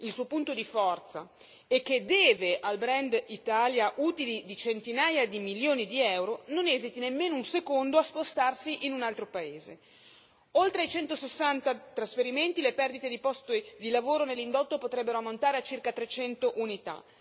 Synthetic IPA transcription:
ilsuːopunt̪od̪ifɔrt̪sa̰ | ek̟ːed̪ɛːveʔalbɾɛnd̪it̪aːljaʔuːt̪ilid̪it͡ʃent̪inaːjad̪imiljoːnid̪iɛwɾononɛzit̪inemːeːnounsekond̪oaspost̪arsiʔinunalt̪ɾopaeːze | olt̪ɾeajt͡ʃɛnt̪osesːant̪at̪ɾasfeɾiment̪ilepɛrd̪it̪ed̪ipɔst̪od̪ilavoːɾonelːind̪ot̪ːopot̪ɾɛbːeɾoamːont̪aːɾeat͡ʃːirkat̪ɾet͡ʃɛnt̪oʔunit̪a̰

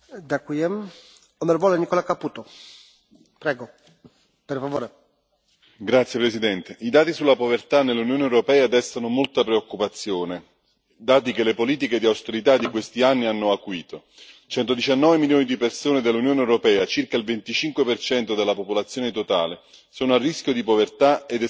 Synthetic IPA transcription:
d̪akwiɛm | ɔmeɾvɔːlenikɔlakapːuːt̪o | pɾɛɡo | peɾfavoːɾe | ɡɾat̪sjepɾesid̪ɛnt̪eʔid̪aːt̪isulːapovert̪anːelːunjoːneɛwɾopɛːad̪ɛst̪anomolt̪apɾeokːupat̪sːjoːne | d̪aːt̪ikelːepoliːt̪̬iked̪iawst̪eɾit̪ad̪ikwest̪ianːianːoakːwiːt̪o | t͡ʃɛnt̪od̪it͡ʃanːɔːvemiljoːnid̪ipersoːned̪elːunjoːneɛwɾopɛːat͡ʃirkailvent̪it͡ʃiŋkwepert͡ʃɛnt̪od̪elːapopolat̪sːjoːnet̪ot̪aːle | soːnoarːiskʲjod̪ipovert̪aed̪ɛ

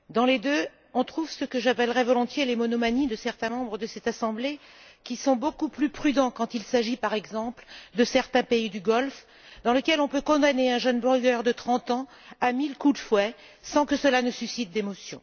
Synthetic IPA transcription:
d̪ɑ̃led̪ø | ɔ̃t̪χuvsəkəʒapɛlʁɛvɔlɔ̃t̪jelemɔnɔmanid̪əsɛʁt̪ɛ̃mɑ̃bʁəd̪əsɛt̪asɑ̃blekʲisɔ̃bokuplypχyd̪ɑ̃kɑ̃t̪ilsaʒipaʁɛɡzɑ̃pld̪əsɛʁt̪ɛ̃peid̪yɡɔlf | d̪ɑ̃ləkʲɛlɔ̃pøkɔ̃d̪aneɛ̃ʒənbɔʁɡœʁd̪ət̪χɑ̃t̪ɑ̃ | amilkud̪əfwɛ | sɑ̃kəsəlanəsysit̪̚d̪emɔsjɔ̰̃

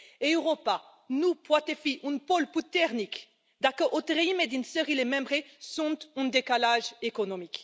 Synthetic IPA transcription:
eyʁopa | nupwat̪efiʔynpɔlput̪ɛʁnik | d̪akəʔot̪ʁeimed̪insəʁilemɛ̃mbʁesɔ̃nt̪ỹnd̪ekalaʒekonomik

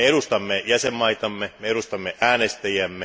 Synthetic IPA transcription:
eeɾust̪ɑmːejæsemːɑit̪ɑmːemeeɾust̪ɑmːeʔæːnest̪æjæmːe

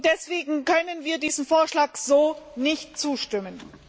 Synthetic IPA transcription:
d̥ɛsv̥eːɡŋ̩kœnənviːɐdiːzn̩foːɐʃlaːkz̥oːnɪçt̚t͡suːʃtɪmən

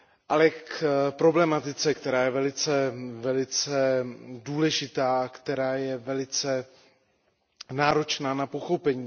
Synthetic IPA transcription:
ʔalɛkpɾo̞blɛmat̪ɪt͡sɛkt̪ɛɾaːjɛvɛlɪt͡sɛvɛlɪt͡sɛduːlɛʒɪt̪aːakt̪ɛɾaːjɛvɛlɪt͡sɛ | naːɾo̞t͡ʃnaːnapo̞xopɛɲiː

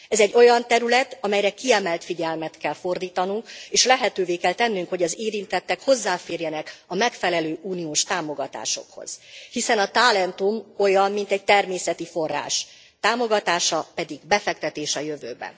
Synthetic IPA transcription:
ɛzɛɟːo̞jɒnt̪ɛɾylɛt̪ɒmɛjɾɛkiɛmɛlt̪fiɟɛlmɛt̪kɛlfo̞rd̪iːt̪ɒnuŋkeːʃlɛɦɛt̪øːveːkɛlt̪ɛnːyŋkho̞ɟɒzeːɾint̪ɛt̪ːɛkho̞zːaːfeːrjɛnɛkɒmɛkfɛlɛløːʔuːniuʃt̪aːmo̞ɡɒt̪a̰ːʃo̞̰kho̞̰z̥hisɛnɒt̪aːlɛnt̪umo̞jɒmmin̪t̪ɛɟ̚t̪ɛrmeːsɛt̪ifo̞rːa̰ːʃ | t̪aːmo̞ɡɒt̪aːʃɒpɛd̪iɡbɛfɛkt̪ɛt̪eːʃɒjøvøːbɛ̰n

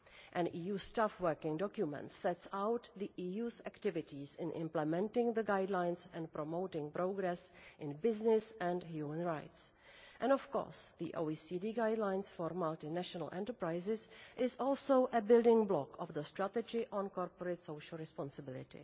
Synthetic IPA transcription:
ʔɛ̃niːjuːstafwɜkɪ̃ŋdɔkjumɛ̰̃ntsɛtsawt̪ðiʔiːjuːzæktɪvɪtisɪ̃nʔɪ̰̃mplɛmɛ̃ntɪ̃ŋðəɡajdlãjnsɛ̃npɾɔmowtɪ̃ŋpɾoɡɾɛsʔɪ̃nbɪznɪsɛ̃ndhjuːmə̃nɹaɪts | ʔɛ̃ndɔfkɔ̰ːɹsðḭʔo̰wisidiɡajdlãjnsfɔɾmaltɪnæʃɔnə̰lʔɛ̰̃ntəɹpɹajzɪsʔɪzɔːlˠsowʔəbɪldɪ̃ŋblɔkɔvðəst̪ɾat̪ɛd͡ʒɪʔɔ̃nkɔɾpɔɾetsowʃəl̩ˠɹɛspɔ̃nsɪbɪlɪ̰tɪ̰

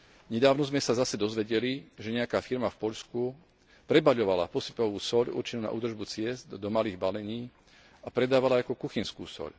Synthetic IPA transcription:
ɲɛd̪aːʋnɔzmɛsazasɛd̪ɔzʋɛɟɛliʒɛɲɛakaːfiɾmafpɔʎsku | pɾɛbaʎɔʋala̰pɔsipɔʋuːsɔʎṵrt͡ʃinuna̰ʔṵːd̪r̩ʒbut͡sɪɛzd̪d̪ɔmaliːɣbalɛɲiː | apɾɛd̪aːʋalaakɔkuxinskṵːsɔ̰ʎ

